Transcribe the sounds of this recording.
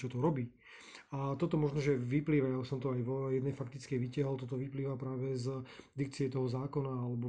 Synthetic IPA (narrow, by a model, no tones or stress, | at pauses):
t͡ʃɔt̪ɔɾɔbiː | at̪ɔt̪ɔmɔʒnɔʒɛʋipliːʋajausɔmt̪ɔajʋɔjɛd̪nɛjfak̚t̪it͡skɛjʋicaɦɔlt̪ɔt̪ɔʋipliːʋapɾaːʋɛzd̪ikt͡siɛt̪ɔɦɔzaːkɔnaalɛbɔ